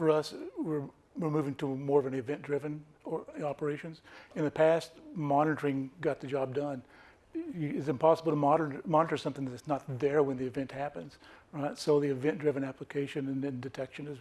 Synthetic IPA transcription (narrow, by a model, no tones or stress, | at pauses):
fə˞ʌswɪɹ | wɪɹmʉvɪ̃ŋtʰəmɔɹʌvɛniɨvɛ̃ndɹɪvɨ̃nɑpə˞eɪʃɨ̃nz̥ɨ̃nðɨpʰæst̚mɑnɨɾə˞ɪ̃ŋɡɑt̪̚ðɨd͡ʒɑb̚dʌ̃n | ɪtsɨ̃mpʰɑsəbl̩ˠtʰəmɑɾə˞mɑnɨɾə˞sʌ̃mθɪ̃ŋðɨɾɨsnət̪̚ðə˞wɨ̃nðiɨvɛ̃nʔhæpɨ̃nz̥ɹaɪtsoʊðiɨvɛ̃ndɹɪvɨ̃næpləkʰeɪʃɨ̃nɨ̃nɨ̃ndɨtʰɛkʃɨ̃nɨz